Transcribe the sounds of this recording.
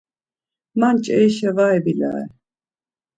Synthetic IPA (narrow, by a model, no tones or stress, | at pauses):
mant͡ʃʼɛiʃɛvaɛbila̰ːɛ̰